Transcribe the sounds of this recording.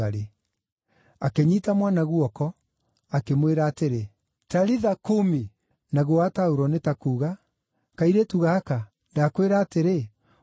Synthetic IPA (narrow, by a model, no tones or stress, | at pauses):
aɾe | akeɲitamwanaɣuɔkɔ | akemweɾaːteɾe | taɾiðakomi | naɣowataoɾɔnetakuːɣa | kaiɾetuɣaːka | ndakweɾaːteɾe